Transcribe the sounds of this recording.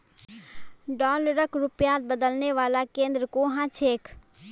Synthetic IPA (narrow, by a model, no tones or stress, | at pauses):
ɖɔːləɾəkɾʊpjaːt̪̚bəd̪əlneʋaːlakẽːnd̪ɾəkoɦãt͡ʃʰeːk